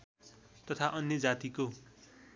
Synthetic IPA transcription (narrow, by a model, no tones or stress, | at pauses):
t̪ʌt̪ʰaʔʌnjʌd͡zat̪iko